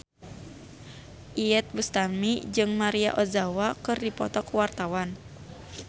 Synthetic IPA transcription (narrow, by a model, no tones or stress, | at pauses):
ʔiɛt̪̚bust̪amid͡ʒɨŋmaɾia̰ʔɔzawakɨrdipɔt̪ɔkwart̪awan